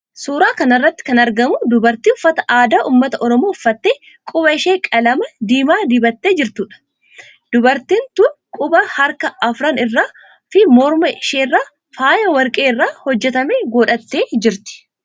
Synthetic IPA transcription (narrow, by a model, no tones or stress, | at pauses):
suːɾaːkɐnɐrːɐt̪ːɪ̥kɐnɐɾɡɐmʊd̪ʊbɐɾt̪iːʊfːɐt̪ɐʔaːd̪aːʔuːmːɐt̪ɐʔɔɾɔmoːʊfːɐt̪ːeː | kʼʊbɐɪʃeːkʼɐlɐmɐd̪iːmaːd̪iːbɐt̪ːe̞ːd͡ʒɪɾt̪uːᶑɐ̥ | d̪̥ʊbɐɾt̪iːnt̪ukʼʊbɐhɐɾkɐɐfɾɐnɪrːaː | fɪmɔɾmɐɪʃeːrːaː | faːjɐwɐɾkʼe̞ːɪrːaːhɔd͡ʒːɛt̪ɐmeːɡoːᶑɐt̪ːe̞ːd͡ʒɪɾt̪ɪ̥